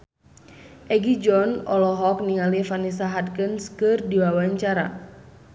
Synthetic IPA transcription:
ʔɛɡid͡ʒɔnɔlɔɦɔk̚niŋalifanisaɦat̚kənskɨrdiwawaɲt͡ʃaɾa̰

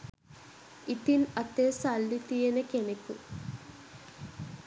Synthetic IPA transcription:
it̪inɐt̪eːsalːit̪ijɐnɐkeneku

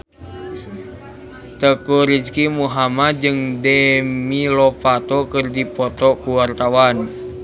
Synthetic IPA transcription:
t̪əkuɾid͡ʒkimuɦamad͡ʒɨŋdɛmilɔpat̪ɔkɨrdipɔt̪ɔkuwart̪awan

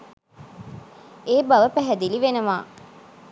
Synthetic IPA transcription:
eːbaʋəpæɦɛd̪iliʋenəʋaː

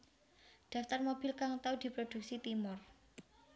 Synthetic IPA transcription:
d̪̥ä̤ft̪armob̥i̤lkaŋt̪awd̪̥i̤pɾod̪̥ṳk̚sit̪imʊr

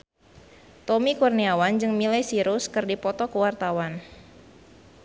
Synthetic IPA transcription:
t̪omikurniawand͡ʒɨŋmilɛjsiɾʊskɨrdipɔt̪ɔkəwart̪awan

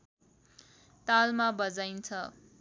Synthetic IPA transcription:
t̪almabʌd͡zajnt͡sʰʌ

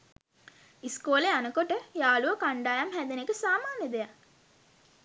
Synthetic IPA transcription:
iskoːleanəkoʈəjaːluʋəkaɳɖaːjamhæd̪enekəsaːmaːnjəd̪eja

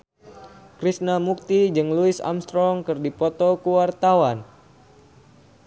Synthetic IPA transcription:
kɾisnamuk̚t̪id͡ʒɨŋluɪsa̰mst̪ɾɔŋkɨrdipɔt̪ɔkuwart̪awan

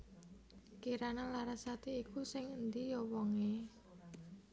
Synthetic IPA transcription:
kiɾananlaɾasat̪eikusɪŋənd̪ijɔwɔŋe

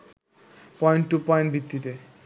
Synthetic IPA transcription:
pɔjɳʈːupɔjɳʈbʱit̪ːit̪e

